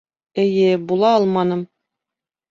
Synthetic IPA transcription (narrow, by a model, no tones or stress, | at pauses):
ɘ̆jɘbulˠɑɒlˠmɑnɤm